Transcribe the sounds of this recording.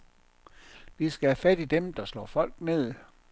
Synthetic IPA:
d̥isɡ̥æhæfæd̥id̥emd̥ɑ̈slɒ̰ːfɒ̽l̰ɡ̥ne̝ð̞̰ˠ

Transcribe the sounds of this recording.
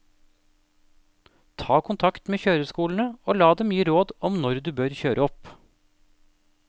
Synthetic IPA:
t̪ʰɑːkʰʊnt̪ʰɑkt̪meːçøːɾəskuːln̩əoːlɑːd̪ɛmjiːəɾoːd̪ɔmnɔɾd̪ʉːbøːɾçøːɾʔəɔp

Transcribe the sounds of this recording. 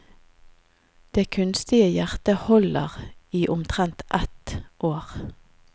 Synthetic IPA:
d̪̥eːkʰʉnst̪ɪəjæʁt̪əhɔləʁiːʔʊmt̪ʰʁɛnt̪ʔɛt̪ʔoːʁ

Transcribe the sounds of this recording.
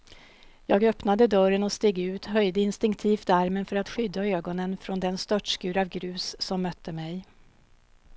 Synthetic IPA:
jɑːɡœpnad̪əd̪œɾənɔst̪eːɡʉ̟ːt̪ɦœjd̪əɪnst̪ɪŋkt̪ʰiːft̪aɾmənfœɾat̪ɧʏd̪ːaøːɡɔnənfɾɔnd̪ɛnst̪œʈʂkʉ̟ːɾavɡɾʉ̟ːsːɔmːœt̪ʰːəmɛj

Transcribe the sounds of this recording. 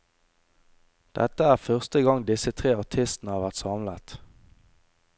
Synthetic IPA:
d̪̥ɛ̰t̪əæːʁfœʁst̪əɡɑŋd̪ɪsət̪ʰʁeːɑʁt̪ʰɪst̪n̩əhɑːʋæʁt̪sɑmlət̪

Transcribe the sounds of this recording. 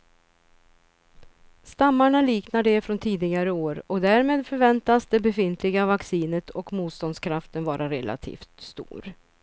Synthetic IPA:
st̪amːaɳaliːknaɖɛfɾɔnt̪ʰiːd̪ɪɡaɾəoːɾɔkd̪æɾmeːd̪fœɾvɛnt̪asd̪ɛbɛfɪnt̪ʰlɪɡavaksiːnət̪ʰɔkmuːt̪st̪ɔnd̪skʰɾaft̪ənvɑːɾaɾɛlʔa̰t̪ʰḭːft̪st̪ṵːɾ

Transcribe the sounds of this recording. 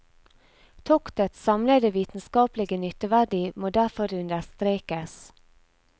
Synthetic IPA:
t̪ʰɔkt̪ət̪sɑmləd̪əʋiːt̪n̩skɑːplɪɡənyt̪əʋæɖɪmoːd̪æɾfɔɾʉnd̪əst̪ɾeːkəs

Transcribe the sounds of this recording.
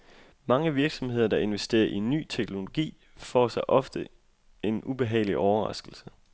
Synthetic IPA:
mɑ̈ŋəʋiɐɡ̥sɒ̽mhe̝ð̞̰ˠɐd̥ɑ̈e̝nʋesd̥e̝̰ːɐʔinːy̰ːt͡sʰeɡ̥no̝lo̝ɡ̥ḭː | fɒ̰sɑ̈ɪʔɒ̽fd̥ə | e̝nub̥e̝ɦɛ̰ːɪliʔɒʊɐʁɑ̈sɡ̥l̩sə

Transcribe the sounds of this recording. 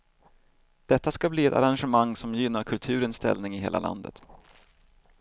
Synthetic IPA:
d̪̥ɛt̪ːaskabliːɛt̪a̰ɾanɧəmaŋːsɔmjɪnːaɾkʰɵlt̪ʰʉ̟ːɾənst̪ɛ̰lnɪŋɪɦeːla̰lʔa̰nd̪ə̰t̪

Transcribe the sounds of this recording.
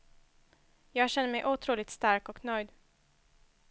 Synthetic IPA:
jɑːɡɕɛnːəmɛjʔuːt̪ʰɾuːlɪt̪st̪aɾkɔknœjd̪

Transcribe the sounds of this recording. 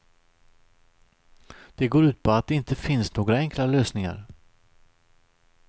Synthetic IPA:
d̪̥ɛɡoːɾʉ̟ːt̪̚pʰɔat̪̚d̪ɛɪnt̪əfɪnsnoːɡɾaɛŋklaløːsnɪŋa̰ɾ

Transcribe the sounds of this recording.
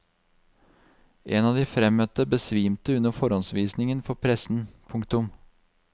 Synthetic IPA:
ʔeːnɑːd̪iːfɾɛmœt̪əbəsʋiːmt̪əʉnəfɔɾɔnsʋiːsnɪŋənfɔpʰɾɛsn̩pʰʊŋkt̪ʊm

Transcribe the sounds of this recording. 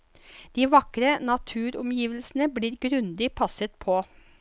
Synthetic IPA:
d̪̥iːʋɑkɾənɑt̪ʰʉːɾɔmjiːʋəlsn̩əbliːɾɡɾʉnd̪ɪpʰɑsət̪̚pʰɔ

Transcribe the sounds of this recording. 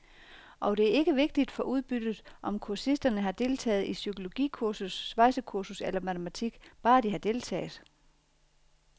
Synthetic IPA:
ʔɒ̽d̥e̝æɐe̝ɡ̥əʋe̝ɡ̥̚d̥id̥fɒ̽ʔuð̞ˠb̥yd̥ð̩ˠʔɒ̽mkʰuɐsisd̥ɐnəɦɑ̈d̥e̝lt͡sʰɛ̰ːð̞̩ˠisykʰo̝lo̝ɡ̥ḭkʰuɐsusːʋɑ̈ɪsəkʰuɐsuselɐmæt͡sʰəmæt͡sʰiɡ̥b̥ɑ̈ːd̥ihɑ̈d̥e̝lt͡sʰɛ̰ːɪð̩ˠ

